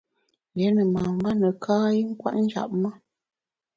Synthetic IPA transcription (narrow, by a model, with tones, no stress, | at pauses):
jɛ˨˦nə˨ma˨m˦ba˦nə˨kʰaː˦i˦ŋ̩˦kwa̰˦ʔn̩˦d͡ʒa̰˨p̚mə˦